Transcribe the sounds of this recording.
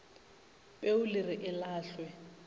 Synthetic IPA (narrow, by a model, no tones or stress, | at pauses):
pʼeʊlirɪʔɪlaːɬwɛ